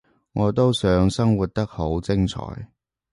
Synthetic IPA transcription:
ŋɔː˨˧t̪o˥wsœː˨˧˥ŋsɐ˥ŋwu˨t̚t̪ɐ˥k̚ho˨˥wt͡sɪ˥ŋt͡sʰɔ̰ː˨˥j

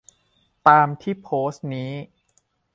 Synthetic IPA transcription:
t̪aː˧mt̪ʰiː˥˩pʰoː˦˥s̚niː˦˥

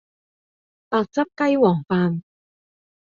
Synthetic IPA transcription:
paː˧k̚t͡sɐ˥p̚kɐ˥jwɔː˨˩ŋfaː˧n

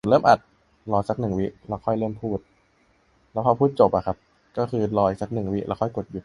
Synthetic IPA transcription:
lɤː˥˩˨mʔa˨˩t̪̚ | lɔː˧jsa˨˩k̚nɯ˨˩ŋwi˦˥ʔlɛː˦˧˥wkʰɔ˥˩jlɤː˥˩mpʰuː˥˩t̪̚ | lɛː˦˥wʰa˧wpʰuː˥˩t̪̚t͡ɕo˨˩pʔa˨˩kʰa˦˥p̚ | kɔː˥˩kʰɯː˧lɔː˧jsa˨˩k̚nɯ˨˩ŋwi˦˥ʔɛː˧˥wkʰɔ˥˩jko˨˩t̪̚ju˨˩

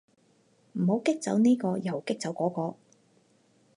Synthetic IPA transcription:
m̩˨˩ɦo˨˥wkɪ˥k̚t͡sɐ̰˨˧˥wniː˥kɔː˧jɐ˨˩wkɪ˥k̚t͡sɐ˨˥wkɔː˨˥kɔː˧

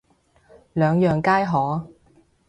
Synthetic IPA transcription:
lœː˨˧ŋjœː˨ŋkaː˥jɦɔː˨˥

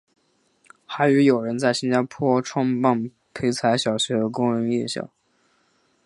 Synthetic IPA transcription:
xa˧˥ɪy˧˥jo˨˩ʊɻə˧˥nt͡sa˥˩ɪɕi˥nt͡ɕa˥pʰwɔ˥ʈ͡ʂʰwɑ˥ŋpa˥˩ŋ | pʰe˧˥ɪt͡sʰa˧˥ɪɕjɑ˨˩ʊɕɥɛ˧˥d̪ə˧kʊ˥ŋɻə˧˥njɛ˥˧ɕjɑ̰˥˩˦

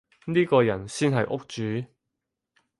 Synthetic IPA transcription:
niː˥kɔː˧jɐ˨˩nsiː˥nɦɐ˨jʔʊ˥k̚t͡ʃyː˨˦

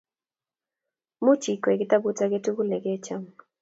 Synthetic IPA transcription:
mu˦t͡ʃi˨kwe˨ɡɪ˦ta˦bu˦ta˦ɡe˦tu˦ɡu˦lnɛ˨ɡe˦t͡ʃa˦m

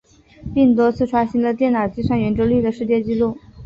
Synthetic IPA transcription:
pi˥˩ŋt̪wɔ˥t͡sʰɹ̩˥˩ʈ͡ʂʰwa˥ɕi˧˥ŋlə˧t̪̬jɛ˥˩na˨˩ʊt͡ɕi˥ʂɑ˥˩ŋɥɛ˧˥nʈ͡ʂɤ˥ly˥˩d̪ə˩ʂɻ̩˥˧t͡ɕjɛ˥˧t͡ɕi˥˧lu˥˩

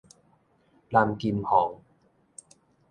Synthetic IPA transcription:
laː˧˩mkiː˧mhɔː˨˩˦ŋ

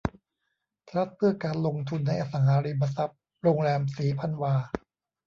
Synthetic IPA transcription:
p̪ʰɾa˦˥t̪̚pʰɯ˥˩ɐkaː˧nlo˧ŋt̪ʰu˧nːa˧jʔa˧˩sa˩˦ŋhaː˩˦ɾiː˧ba˧sa˦˥p̚ | ɾoː˧ŋɾɛː˧msiː˩˦pʰa˧nwaː˧

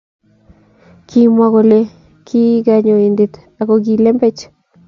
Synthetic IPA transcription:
kʰi˧mwa˧ɣo˧le˧ | kʰi˦ɡa˧ɲo˨i˨nd̪i˨t̪ | a˨ko˨ɡi˧le˦mbe˦t͡ʃ

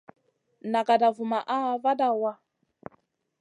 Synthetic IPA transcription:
na˨ka˨da˨vu˨ma˨ʔa˦˨va˦da˦˨wa˦

